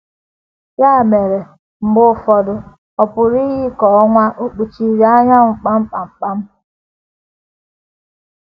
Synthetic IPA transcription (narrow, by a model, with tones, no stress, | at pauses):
ja˦˨me˨ɾe˨ | m̩˨bʊ˦˨fɔ˨dʊ˨ | ɔ˨pʊ˨ɾi˦ɣi˦kɔ˨ɔ˦ŋʷa˦ʔo˦k͡pu˨t͡ʃi˨ɾi˨˦a˦ɲa˦ŋ̩˨k͡pa˦m̩˦k͡pa˨m̩˨k͡pa˦m̩˦